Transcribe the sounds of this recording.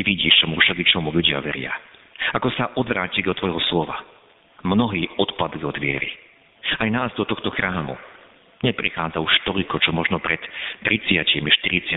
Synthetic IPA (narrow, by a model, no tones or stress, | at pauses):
iʋiɟiːʃt͡ʃɔmufʃaɡ̪it͡ʃɔmuʎuɟɪa̰ʋɛɾɪa̰ | akɔsaʔɔd̪ʋɾaːcid̪ɔt̪ʋɔjɦɔslɔʋa | mnɔɦiːɔt̪pad̪liɔd̪ʋɪɛ̰ɾḭ | ajnaːzd̪ɔt̪ɔxt̪ɔxɾaːmṵ | ɲɛpɾḭxaːd͡zauʃt̪ɔʎkɔt͡ʃɔmɔʒnɔpɾʔɛt̪ːɾit͡sɪacimiʃt̪iɾit͡sɪa